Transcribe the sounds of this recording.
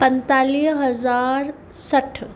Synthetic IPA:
pənt̪alisɦəd͡zaɾ | səʈʰː

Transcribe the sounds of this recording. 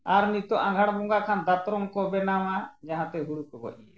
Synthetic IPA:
aɾnit̪ɔʔãɡʱaɽ̃bɔŋɡakʰand̪at̪ɾɔŋkɔbɛnamad͡ʒaɦãt̪ɛɦuɽukɔbɔ̰ʔiɛ

